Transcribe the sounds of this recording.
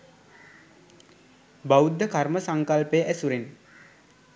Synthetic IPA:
baud̪ːəkarməsaŋkalpəjəʔæsuɾen

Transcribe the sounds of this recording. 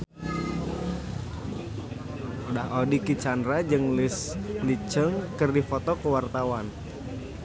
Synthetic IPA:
udahodikit͡ʃandɾad͡ʒɨŋlɪslit͡ʃəŋkɨrdifɔt̪ɔkəwart̪awan

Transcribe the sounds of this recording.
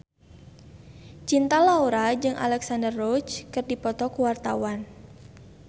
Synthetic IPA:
t͡ʃint̪alauɾad͡ʒɨŋʔa̰lɛksandərːɔt͡ʃkɨrdipɔt̪ɔkuwart̪awan

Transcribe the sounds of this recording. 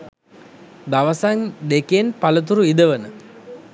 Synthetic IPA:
d̪aʋəsaŋd̪ekenpalət̪̬uɾuid̪əʋənə

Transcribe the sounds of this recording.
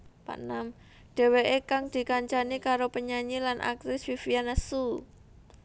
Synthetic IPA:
pa̰ʔnam | ɖ̥e̤weʔekaŋd̪̥i̤kaɲt͡ʃanikaɾopəɲaɲilanʔa̰k̚t̪ɪsfifijanasu

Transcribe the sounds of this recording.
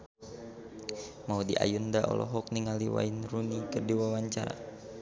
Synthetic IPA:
maudiʔa̰jundaʔɔ̰lʔɔ̰ɦɔk̚niŋaliwa̰inrunikɨrdiwawaɲt͡ʃaɾa̰

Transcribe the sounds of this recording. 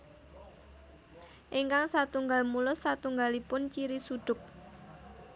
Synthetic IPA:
ʔiŋkaŋsat̪uŋɡalmulʊsːat̪uŋɡalipʊnt͡ʃiɾisuɖ̪̥ʊ̤k̚

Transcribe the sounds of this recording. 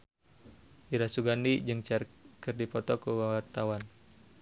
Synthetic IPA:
ʔiɾasuɡanid͡ʒɨŋt͡ʃarkɨrdipɔt̪ɔkuwawart̪awan

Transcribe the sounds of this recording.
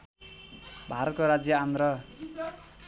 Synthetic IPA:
bʱaɾʌt̪̚koɾad͡zjʌand̪ɾʌ

